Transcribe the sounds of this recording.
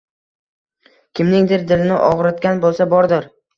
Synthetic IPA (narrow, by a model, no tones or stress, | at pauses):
kʲʰɪmnɪŋd̪ɪɾd̪ɪlɪnɪʔɒʁɾɪt̪kʲanbolˠsabɒɾd̪ɪɾ